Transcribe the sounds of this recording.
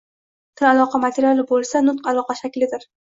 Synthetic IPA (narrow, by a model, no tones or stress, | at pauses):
t̪ʰɪlalˠɒqʰɑmat̪ʰeɾjalˠɪbolˠsanʊt̪̚qalˠɒqɑʃakʲlɪd̪ɪɾ